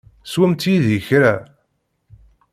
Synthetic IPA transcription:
swæmt̪iðiçɾæ

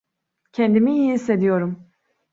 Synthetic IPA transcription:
cʰɛnd̪imijiised̪ijo̞ɾum

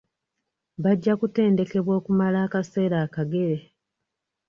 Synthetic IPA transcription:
βaɟːakute̞ːnde̞ke̞βwo̞ːkumalaːkase̞ːɾaːkaɡe̞ɾe̞

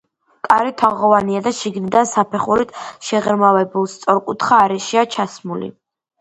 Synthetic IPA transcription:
kʼaɾit̪ʰaʁɔvaniad̪aʃiɡnid̪ansapʰɛχuɾit̪ʰʃɛʁɛɾmavɛbulˠst̪sʼɔɾkʼut̪ʰχaːɾɛʃiat͡ʃʰasmulḭ

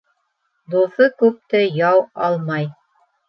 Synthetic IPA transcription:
d̪uθɤkʉp̚t̪ɘjɑwɑlˠmɑj

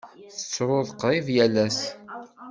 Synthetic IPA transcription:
θət͡sːɾˤoðˤqɾivjælæs

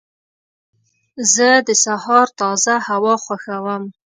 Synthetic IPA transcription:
zəd̪əsahɑɾt̪ɑzahawɑχwʷaxawəm

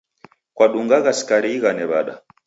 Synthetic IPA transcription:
kwaɗuŋɡaɣasi̥kaɾiːɣanɛβaɗa̰

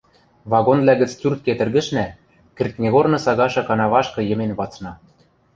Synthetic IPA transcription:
βɑɣonvlʲæɣɘ̆t͡st͡sʲurt̪̚ket̪ɘ̆rɡɘ̆ʃnæ | kɘ̆rk̪nʲeɣornɤ̆sɑɣɑʃɤ̆kɑnɑβɑʃkɤ̆jɤ̆menβɑt͡snɑ

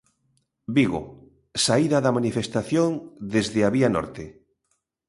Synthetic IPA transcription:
biɣʊ̰ | saiðɐðɐmanifest̪aθjond̪ezðɪaβianɔ̰ɾt̪e

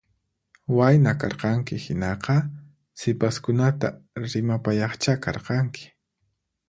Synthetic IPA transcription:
wajnakɑɾqɑŋkɪhɪnɑqɑ | sɪpaskʊnat̪a̰ɾɪmapajɑχt͡ʃakɑɾqɑŋkʰɪ̥

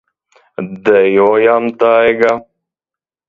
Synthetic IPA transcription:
d̪əjojamt̪aːeɡa

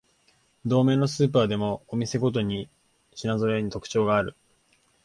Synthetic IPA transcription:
d̪o̞ːme̞ːno̞sɨːp̬aːd̪e̞mo̞ːmʲise̞ɡo̞t̪̬o̞ɲ̟i | ɕinazo̞ɾeɲ̟it̪o̞kɯ̟̥t͡ɕo̞ːɡaːɾɯ̟

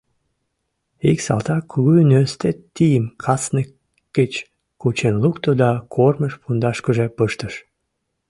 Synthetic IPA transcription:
iksɑ̰lt̪ɑkuɣuynest̪et̪ːijəmkʰɑsnə | kːet͡ɕ | kut͡ɕenlukt̪od̪ɑkʰorməʃpund̪ɑʃkøʒepəʃt̪əʃ

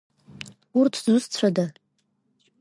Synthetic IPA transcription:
urtʰzʷɨst͡ɕʷʰada

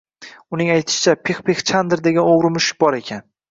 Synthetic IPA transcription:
ʊnɪŋajt̪ʰɪ̥ʃɪ̥t͡ʃʰapʰeχpʰeχt͡ʃʰand̪ɾd̪e̞ɡʲanoʁɾɪmʊʃɪ̥k̚bɒɾe̞kʲʰan

